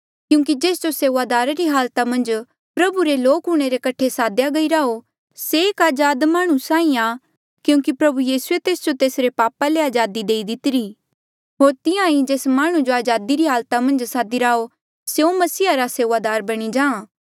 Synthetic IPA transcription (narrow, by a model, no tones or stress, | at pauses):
kjũːk̬id͡ʒeːsd͡ʒoseːʋad̪aːɾaɾiɦaːlt̪amɐ̃nd͡ʒ | pɾɐbuɾeloːkɦʊɽ̃eɾekɐʈʰesaːd̪jaɡɐiɾaːo | seːkaːd͡ʒaːd̪maːɽ̃ũsãːĩa | kjũːkipɾɐbujiːsuet̪eːsd͡ʒot̪eːsɾepaːpaleaːd͡ʒaːd̪id̪eːid̪ɪt̪ɪɾi | ɦoːɾt̪ɪjãĩd͡ʒeːsmaːɽ̃ũd͡ʒoaːd͡ʒaːd̪iɾiɦaːlt̪amɐ̃nd͡ʒsaːd̪iɾaːo | seõmɐsiːɦaɾaseːʋad̪aːɾbɐɽ̃id͡ʒãːãː